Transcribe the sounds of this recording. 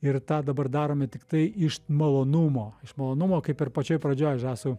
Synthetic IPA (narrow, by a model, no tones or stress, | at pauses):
ɪrt̪ɑːd̪ɐbɐrd̪ɑːɾoːmʲɛt̪ʲɪkt̪ɐɪɪʃmɐlˠoːnʊmoːɪʃmɐlˠoːnʊmoːkɐɪpɪrpɐt͡ʃʲoːjpɾɐd͡ʒʲoːjʒɑːsu